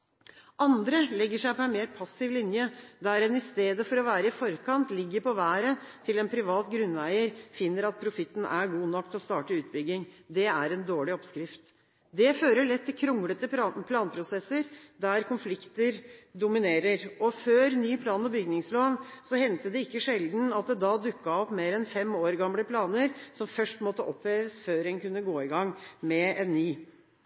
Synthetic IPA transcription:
ʔɑnd̪ɾəlɛɡːəʂæɪpɔɛnmeːɾpʰɑsːɪʋlɪnjəd̪æɾɛnɪst̪eːd̪əfɔɾɔʋæːɾəɪfɔɾkʰɑnt̪lɪɡːəɾpɔʋæːɾət̪ʰɪlɛnpʰɾɪʋɑːt̪ɡɾʉnæɪəɾfɪnːəɾɑt̪̚pʰɾʊfɪt̪ːn̩æɾɡuːnɔkːt̪ʰlɔst̪ɑːʈəʉːt̪̚bʏɡɪŋd̪ɛæɾɛnd̪oːɭɪɔpskɾɪft̪ | d̪ɛføːɾəɭɛt̪ʰːɪkʰɾʊŋlət̪əpʰlɑːnpʰɾʊsɛsːəɾd̪æɾkʊnflɪkt̪əɾd̪ʊmɪneːɾəɾɔføːɾnyːpʰlɑːnɔbʏɡnɪŋsloːnsɔhɛnt̪əd̪ɛɪkːəʂɛld̪n̩ɑt̪̚d̪ɛd̪ɑd̪ʉkːɑɔpːmeːɾɛnfɛmoːɾɡɑmləpʰlɑːnəɾsɔmfœʂʈmɔt̪ːəʔɔpʰːeːʋəsføːɾɛnkʉnːəɡoːɪɡɑŋːmɛɛnːyː

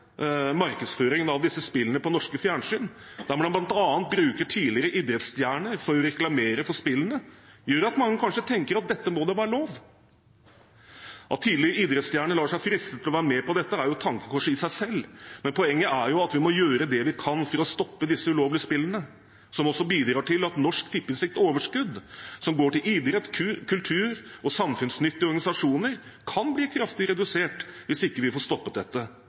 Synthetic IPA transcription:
mɑɾkəd̪sføːɾɪŋənɑʋd̪ɪsːəspɪlːənəpɔnɔʂkəfjæːɳʂyːnd̪æɾmɔd̪ɛmblɑnt̪ɑːənt̪̚bɾʉːkəʈʰiːlɪɾəʔiːd̪ɾət̪st̪jæːɳəɾfɔɾɔɾɛklɑmeːɾəfɔʂpɪlənəjøːɾɑt̪mɑŋːəkʰɑnʂət̪ʰɛŋkəɾɑt̪̚d̪ɛt̪ːəmɔd̪ɛʋæːɾəloːʋ | ʔɑt̪ʰːiːlɪɾəiːd̪ɾət̪st̪jæːɳəlɑːʂæɪfɾɪst̪ət̪ʰːɪlɔʋæːɾəmɛpɔd̪ɛt̪ːəæɾjʊt̪ʰɑŋkə̥kʰɔʂəɪsæɪsɛlːmɛnpʰɔɛŋːəʔæɾjʊɑt̪ʋɪmɔjøːɾəd̪ɛʋɪkʰɑnfɔɾɔst̪ɔpːəd̪ɪsəʉloːʋlɪəspɪlːənə | sɔmɔsːɔbiːd̪ɾɑːʈɪlɑt̪nɔʂkt̪ʰɪpːɪnsɪkt̪ɔoːʋəʂkʉd̪sɔmɡoːʈɪlʔiːd̪ɾət̪kʰʉkʰʉlt̪ʰʉːɾɔsɑmfʉnsnʏt̪ːɪəɔɾɡɑnɪsɑʂuːnəɾkʰɑnbliːkʰɾɑft̪ɪəɾɛd̪ʉseːʈʋɪsɪkːəʋɪfoːʂst̪ɔpːət̪̚d̪ɛt̪ːə

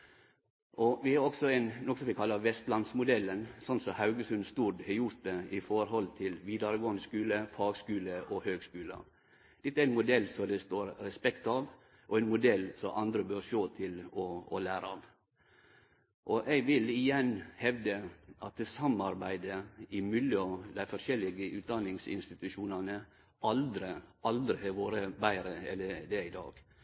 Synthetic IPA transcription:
ʔɔʋɪhɑɾɔksɔæɪnnɔkəsɔmʋɪkʰɑlːɑʋɛst̪lɑnsmʊd̪ɛlːənsɔnsɔhɑʉɡəsʉnst̪uːɾdhɛjʊɾt̪̚d̪ɛʔɪfɔɾɦɔlt̪ʰɪlʋiːd̪ɑɾəɡoːənd̪əskʉːləfɑːɡskʉːləʔɔhøːɡskʉːlə̰ | d̪̥ɛt̪ːɛɾɛɪnmʊd̪ɛlːsɔd̪ɛst̪oːɾɾɛspɛkt̪ɑʋ | ʔɔɛɪnmʊd̪ɛlːsɔmʔɑnd̪ɾəbøːɾʂoːt̪ʰɪlɔɔlæːɾəɑʋ | ʔɔʔɛɪɡʋɪlɪjɛnːhɛʋd̪əʔɑt̪̚d̪ɛsɑmɑɾbæɪd̪əɪmʏlɪɔd̪æɪfɔɾʂɛlɪɡəʔʉːt̪̚d̪ɑnːɪŋsɪ̰nst̪ɪt̪ʉʃuːnɑnə | ɑld̪ɾəʔɑld̪ɾɪhɛʋoːɾəbæɪɾəɛlːəɾd̪ɛɪd̪ɑ̰ːɡ̥

